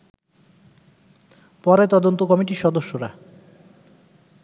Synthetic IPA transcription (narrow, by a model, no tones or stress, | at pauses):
pɔɾet̪ɔd̪ont̪okɔmiʈiʃɔd̪oʃːoɾa